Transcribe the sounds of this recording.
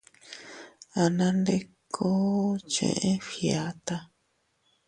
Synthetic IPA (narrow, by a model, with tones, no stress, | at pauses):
a˨nã˦nde˦kʰo˦t͡ʃḛ̃˧˨ʔẽ˦fia˨˦t̪a˧